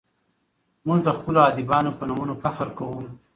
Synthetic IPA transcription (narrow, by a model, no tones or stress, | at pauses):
muɡd̪əxpəloɑd̪ɪbɑnopənumunofafəɾkawum